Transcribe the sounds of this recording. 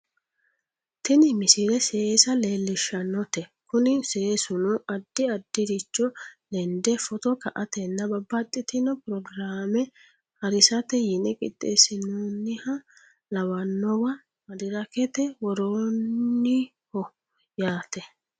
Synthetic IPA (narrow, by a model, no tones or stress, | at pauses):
t̪ɛnɪmɪsɪɾɛseːsɐle̞ːlːɪʃɐnːɔt̪ɛkʊnɪseːsʊnuɐd̪ːɪɐd̪ːɪɾɪt͡ʃːɔlɛnd̪ɛfɔt̪ɔkɐʔɐt̪ɛnːɐbɐbːɐt̪ʼːɪt̪ɪnɔpʊɾɔɡɾaːmɛ | hɐɾɪsɐt̪ɛjɪnɛkʼɪ̰t̪ʼːḛsɪnunːɪhɐ | lɐwɐnːɔwɐ | mɐd̪ɪɾɐkɛt̪ɛwɔɾoːnnːɪ | hɔ | jaːt̪ɛ